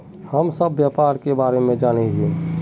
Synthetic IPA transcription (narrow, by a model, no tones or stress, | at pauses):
həmsəbːjapaːɾkebaːɾemẽd͡ʒaːned͡ʒe